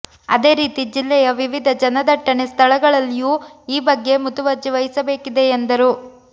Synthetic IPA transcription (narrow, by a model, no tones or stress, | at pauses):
ɐd̪e̞ːɾiːt̪id͡ʒilːɛjɐʋiʋid̪ʱɐd͡ʒɐnɐd̪ɐʈːɐnest̪ʰɐɭɐɡɐɭɐlːijuːiːbɐɡːe̞mut̪uʋɐɾd͡ʒiʋɐjisɐbe̞ːkid̪e̞ːnd̪ɐɾu